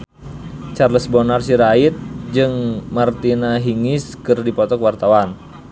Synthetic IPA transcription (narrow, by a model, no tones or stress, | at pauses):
t͡ʃarləsbɔnarsiɾait̪̚d͡ʒɨŋmart̪inaɦiŋiskɨrdipɔt̪ɔkwart̪awan